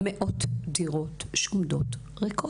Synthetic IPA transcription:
meʔotdiʁotʃumd̪ot | ʁekʰo

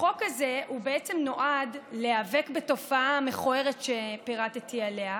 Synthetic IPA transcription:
χo̞kaze̞ubeet͡semno̞ʔadle̞avekbeto̞faameχoeʁetʃepiʁatetiale̞a

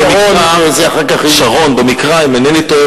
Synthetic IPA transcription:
emizaχakaχʃaʁo̞nbemikʁaimenenito

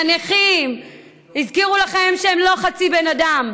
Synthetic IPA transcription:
aneχim | izkiʁulaχemʃeemlo̞χat͡sibe̞nadam

